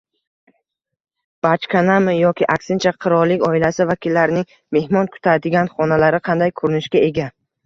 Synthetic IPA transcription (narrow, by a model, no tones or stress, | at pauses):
b̥at͡ʃkʰʲanamɪjɒkʲʰɪʔaksɪnt͡ʃʰaqʰɨɾɒɾlːɪkʲɒɪlasɪvakʲʰilːaɾnɪŋ | me̞hmɒnkʰʊ̥t̪ʰaɾd̪ɪɡʲanχɒnalaɾɪqʰɑnd̪ajkʰɵɾɪnɪʃkʲae̞ɡʲa